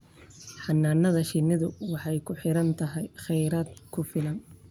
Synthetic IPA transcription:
ħɑnːaːnːɐðɐʃɪnːɪðʊwɑħɑjkʰʊħɪɾɐnt̪ʰɐɦɛjχɛjɾaːd̪kʰʊfɪlɐn

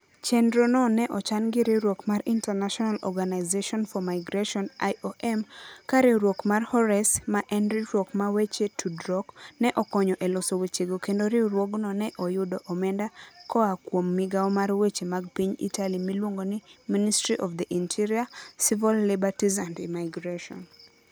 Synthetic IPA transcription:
t͡ʃendɾonɔnɛʔɔt͡ʃanɡɪɾɪɾwokmaɾintɛnaʃɔnalɔ̰ɡanaɪzeʃɔnfɔmajɡɾeʃɔnaoʔɛmkaɾɪɾwokmarhɔɾɛsmaʔɛnɾiɾwokmawet͡ʃetʰudɾɔknɛʔɔkɔɲɔʔɛlɔsowet͡ʃeɡokendoɾiɾwoɡnɔnɛʔɔjʊdɔʔɔmɛndakɔakwomːɪɡaɔmarwet͡ʃemaɡ̚piɲḭtalimilwoŋɡonɪministɾiʔɔfd̪ɛʔintʰiɾiasivilːibatizandimaɪɡɾeʃɔ̰n

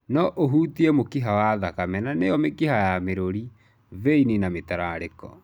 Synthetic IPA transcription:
nɔʔoɦutiemokiɦawaðakamɛnanejɔmekiɦajameɾoɾi | veininametaɾaɾekɔ̰

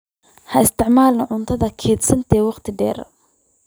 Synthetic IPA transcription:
hɐɪst̪ʰɪʕmaːlnɐʕʊnt̪ʰɐðɐkʰɛːd̪sɐnt̪ʰɛːwɑqt̪ʰɪɖɛ̰ːɾɐ̰

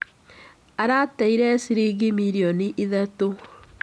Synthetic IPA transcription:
aɾataiɾɛsiɾiɣimiɾiɔniʔiðato

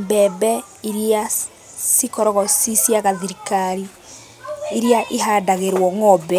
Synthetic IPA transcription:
mbɛbɛ | iɾia | sikɔɾɔɣɔsisjaɣaðiɾikaɾi | iɾiaʔeɦaːdaɣeɾwɔŋɔbɛ

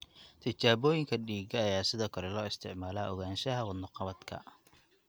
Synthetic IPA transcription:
t̪ʰɐt͡ʃaːβɔːjɪŋkʰɐɖiːɡɐːjaːsɪðɔːkʰɔɾɛlɔːɪst̪ʰɪʕmaːlaːʔɔ̰ɣaːnʃɐɦɐwɑd̪nʊqɑβɐd̪kʰɐ̰

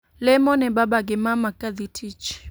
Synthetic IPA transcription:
lɛmɔnɛbabaɡɛmamakaðitʰit͡ʃ

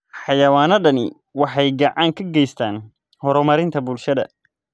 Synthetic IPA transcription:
ħɑjɐwaːnɐɖɐnɪ̰ | wɑħɑjɡɑʕɑːŋkʰɐɡɛjst̪ʰaːn | hɔɾɔmɐɾɪnt̪ʰɐbʊlʃɐðɐ̰

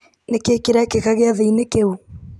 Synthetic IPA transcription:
nekekiɾakekaɣeaðeinekeu

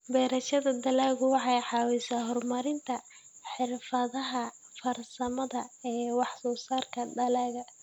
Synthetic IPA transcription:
bɛːɾɐʃɐðɐd̪ɐlaːɣʊwɑħɑjħɑːwɛːsaːɦɔrmɐɾɪnt̪ʰɐ | ħɪrfɐðɐɦɐ | fɐrsɐmɐðɐɛːwɑħsɔːsaːrkʰɐd̪ɐlaːɣɐ

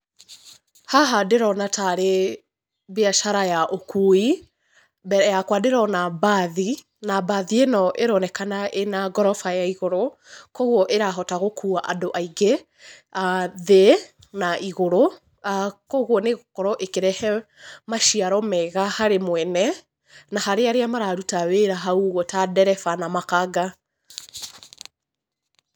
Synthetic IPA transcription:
haɦadeɾɔnataɾe | βeaʃaɾajaʔokʰui | bɛɾjakwadeɾɔnabaði | nabaðienɔʔeɾɔnɛkanaʔenaɡɔɾɔfajaiɣoɾokɔɣwɔʔeɾaɦɔtaɣokʰuaʔa̰doʔaiɡe | aðe | naʔiɣoɾo | akɔɣwɔneɣokɔɾɔʔekeɾɛhɛ | maʃiaɾɔmɛɣahaɾemwɛnɛ | nahaɾeaɾeamaɾaɾutaweɾaɦauɣɔtadɛɾɛfanamakaɡa

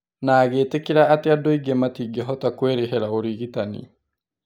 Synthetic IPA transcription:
naːɣeːtekiɾaːteadoiɡematiːɡɛɦɔtakweɾeɦɛɾaoɾiɣitanḭ

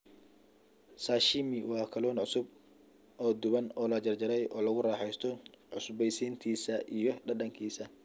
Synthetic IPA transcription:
saːʃimɪwɑːkʰɐlɔːnʕʊsʊb̚ | ɔːd̪ʊβɐnɔːlɐd͡ʒɐrd͡ʒɐɾɛjʔɔːlɐɣʊraːħɛjst̪ʰɔʕʊsʊbɛjsiːnt̪ʰiːsɐʔijɔɖɐɗɐŋkʰiːsɐ

